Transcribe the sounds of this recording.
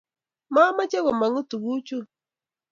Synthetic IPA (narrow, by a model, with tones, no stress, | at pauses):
ma˦ma˦t͡ʃɛ˦ɣɔ˨ma˨ŋu˦tu˨ɣu˦t͡ʃu˦